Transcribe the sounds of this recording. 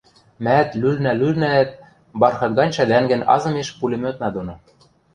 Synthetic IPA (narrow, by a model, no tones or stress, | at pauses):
mæt̪lylnælylnæt̪̚ | bɑrxɤ̆t̪̚ɡɑnʲʃæd̪æŋɡɘ̆nɑ̰zɤ̆meʃpulʲemøt̪nɑd̪onŏ